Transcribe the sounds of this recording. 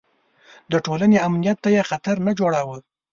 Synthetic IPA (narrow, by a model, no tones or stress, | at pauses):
d̪əʈolaneamnijat̪ːajexat̪aɾnad͡ʒoɽawə